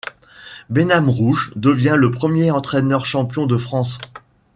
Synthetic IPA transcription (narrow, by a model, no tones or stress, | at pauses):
benamʁuʒd̪əvjɛ̃ləpχəmjeɑ̃t̪χɛnœʁʃɑ̃pjɔ̃d̪əfχɑ̃s